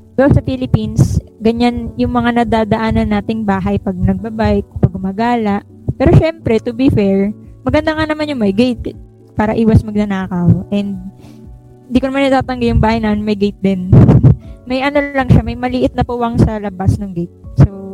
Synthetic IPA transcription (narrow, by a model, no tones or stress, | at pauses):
d̪osɐfilɪpinsɡɐɲanjʊŋmɐŋanɐd̪aːd̪ɐʔaːnɐnːaːt̪ɪŋbaːɦɐjpɐɡ̚nɐɡ̚bɐbaʔɪkpɐɡ̚ʊmɐɡaːlɐʔ | pɛːɾo̞ʃɛmpɾɛt̪ʊbifɛɹmɐɡɐnd̪aŋanɐmanjʊŋmɐjɡejt̪̚ | paːɾɐʔiːwɐsmɐɡ̚nɐnaːkɐwʔɛnd̪̚ | ɪnd̪iːkonɐmanːɐt̪aːt̪ɐŋɡɪjʊŋbaːhɐjnɐnmɐjɡejt̪̚d̪ɪn | mɐjʔɐnolɐŋʃamɐjmɐlɪʔɪt̪̚nɐpuwɐŋsɐlɐbasnɐŋɡejt̪̚so